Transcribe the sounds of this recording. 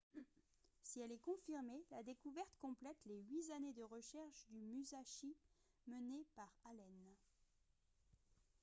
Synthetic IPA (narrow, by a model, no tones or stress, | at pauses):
siɛlɛkɔ̃fiʁmelad̪ekuvɛʁt̪kɔ̃plɛt̪leɥizaned̪əʁəʃɛʁʃd̪ymyzaʃi | mənepaʁalɛn